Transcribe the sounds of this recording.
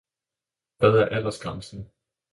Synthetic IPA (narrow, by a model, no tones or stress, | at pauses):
ʋ̥ɛðˠæɐʔælɐsɡ̥ʁɑmsn̩